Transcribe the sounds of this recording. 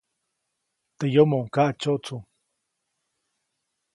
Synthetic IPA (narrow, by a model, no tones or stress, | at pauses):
t̪ejomoʔŋkaʔt͡ʃoʔt͡suŋ